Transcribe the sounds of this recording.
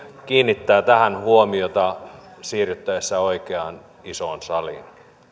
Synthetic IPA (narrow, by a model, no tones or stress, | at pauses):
kiːnːit̪ːæːt̪æhænhuomiot̪ɑsiːryt̪ːæjesːæoikeɑn | isoˑnsɑlḭn